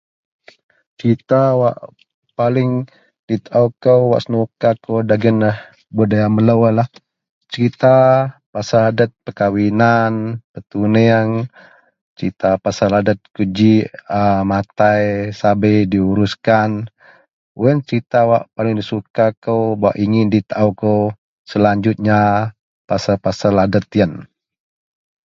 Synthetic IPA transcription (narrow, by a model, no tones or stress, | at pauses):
t͡ʃit̪awaʔ | palɪŋ | dit̪ʔawkəwwa̰ʔsənukakəwdaɡənah | budajamələwalah | t͡ʃəɾit̪apasaladət̪̚pəkawinanpət̪uneaŋ | t͡ʃit̪apasaladət̪̚kud͡ʒiəmat̪ajsabəjdiuɾuskan | uənt͡ʃəɾit̪awaʔpalɪŋdisukakəwbawa̰ʔiŋɪndit̪aʔawkə | səlaɲd͡ʒut̪̚ɲa | pasapasaladət̪jən